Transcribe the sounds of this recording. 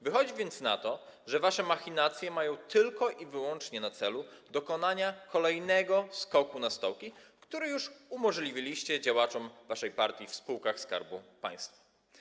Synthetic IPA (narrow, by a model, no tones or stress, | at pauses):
vɘxɔd͡ʑvʲjɛnt̪sna̰t̪ɔʐɛvaʂɛmaxʲinat̪sʲjɛmajɔ̃w̃t̪ɘlkɔʔivɘwɔnt͡ʂɲɛnat̪sɛlud̪ɔkɔnaɲakʰɔlɛjnɛɡɔskɔkunast̪ɔwkʲikt̪uɾɘjuʂumɔʐlʲivʲilʲiɕt͡ɕɛd͡ʑawat͡ʂɔmvaʂɛjpaɾt̪ʲjifspuwkaxska̰ɾbupa̰j̃st̪fa